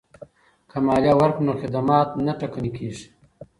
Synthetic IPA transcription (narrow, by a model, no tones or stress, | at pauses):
kʰamaːljawaɾpnoxɪd̪amaːt̪naʈakanikʰiːʐ